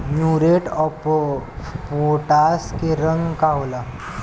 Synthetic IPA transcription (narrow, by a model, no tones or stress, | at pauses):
njuɾeʈɔp | poʈaskiɾəŋɡkawla